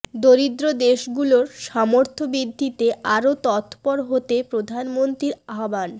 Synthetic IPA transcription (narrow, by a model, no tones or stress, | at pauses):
d̪oɾid̪ɾod̪eʃɡuloɾʃɔmoɾt̪ʰobɾid̪ʱːit̪eaɾot̪ɔt̪pɔɾɦot̪epɾod̪ʱanmont̪ɾiɾaɦoban